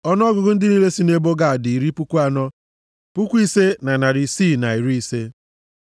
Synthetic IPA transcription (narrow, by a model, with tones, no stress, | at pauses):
ɔ˦n˦ɔ˦ɡʊ˨ɡʊ˦n̩˦dɪ˦ni˦ɾe˦si˦ne˦bo˦ɡa˦˨a˨dɪ˨i˨ɾi˦pu˦kʷu˦a˨nɔ˦ | pu˦kʷu˦i˦se˦na˨na˨ɾi˨siː˦˨na˨i˨ɾi˦i˦se˦